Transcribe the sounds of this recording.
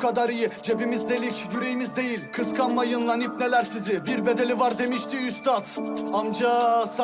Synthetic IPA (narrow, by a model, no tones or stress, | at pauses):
kʰad̪aɾɯjɯd͡ʒe̞bimizd̪e̞lʲicjyɾe̞jimizd̪e̞jilʲkʰɯskʰanmajɯnlˠanip̚ne̞lʲæɾsizɪbiɾbe̞d̪e̞lʲivaɾd̪e̞miʃt̪ʰiyst̪at̪amd͡ʒas